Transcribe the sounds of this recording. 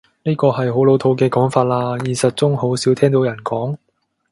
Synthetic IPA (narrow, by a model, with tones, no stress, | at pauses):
niː˥kɔː˧hɐ˨jɦo˨˥wlo˨˥wt̪ʰo˧wkɛː˧kɔː˨˥ŋfaː˧t̚laː˧jiː˨˩sɐ˨t̚t͡sʊ˥ŋho˨˥wsiː˨˥wt̪ʰɛː˥ŋt̪o˨˥wjɐ˨˩nkɔː˨˥ŋ